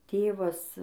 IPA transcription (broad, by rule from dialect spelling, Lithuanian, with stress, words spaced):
ˈtʲeːʋɐs